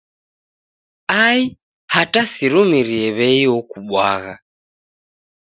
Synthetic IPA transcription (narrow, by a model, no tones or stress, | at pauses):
ai | hatasiɾumiɾiɛβɛiɔkuɓwa̰ɣa